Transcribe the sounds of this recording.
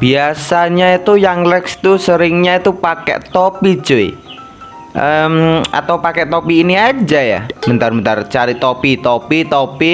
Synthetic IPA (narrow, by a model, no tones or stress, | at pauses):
b̥iasaɲait̪ujaŋlɛkst̪usəɾɪŋɲait̪upakɛ̰ʔt̪opi̥d͡ʒ̥oḛ | ʔəma̰t̪awpakɛʔt̪opiːniad͡ʒaja̰mənt̪armənt̪art͡ʃaɾit̪opit̪opit̪opi